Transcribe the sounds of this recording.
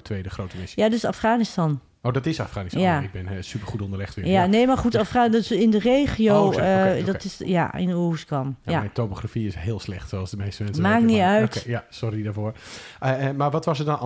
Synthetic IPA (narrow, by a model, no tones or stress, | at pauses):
tʰʋejdəχrowtəmɪsjadøsafχaːnɪstɑn | owdɑtɪsa̰fχaːnistjaɪɡ̚bɪnsypəɹχutɔndəlɪχtʋɪ̰janejmaɹχutafχadsɪndərejχijowdɔtɪsja̰ɪ̰nuskɔmjamɛjntopoχrafiɪsɦɪːəlˠslɛχtsoɑlˠzdəmejstəmɛnnsmaːkiœɥtjasɔridaːɹvoːɹ | maːɹʋɑtʋɑsədɔn